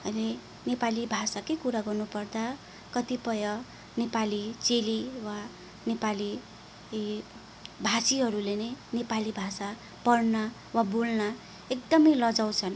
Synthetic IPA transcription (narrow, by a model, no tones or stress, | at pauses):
ʌjle | nepalibʱasakekuɾaɡʌrnupʌrd̪a | kʌt̪ipʌjʌ | nepalit͡seliwa | nepali | bʱasiɦʌɾulenʌjnepalibʱasa | pʌɽna | wabolna | ek̚d̪ʌmʌjlʌd͡zaw̃t͡sʰʌn